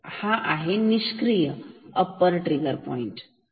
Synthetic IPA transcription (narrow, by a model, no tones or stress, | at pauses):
haʔaɦeniskɾijəəpːəɾʈɾiɡəɾpɔ̰iɳʈ